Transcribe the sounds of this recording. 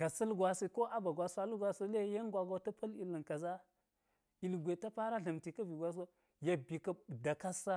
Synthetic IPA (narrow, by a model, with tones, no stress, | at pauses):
ka˨si˦lɡʷa˨si˦ko˦ʔa˦ba˨ɡwa˨sa˦lu˦ɡʷa˨si˦le˦ja˦nɡʷa˨ɡa˦ta˦pa˦li˨lə˨nka˨za˦ | i˨lɡʷe˨ta˦pa˦ɾa˦ɮə˨mti˨ka˦vi˨ɡʷa˦s̬a˦ | ja˦bi˨ka˦da˨ka˦sa˦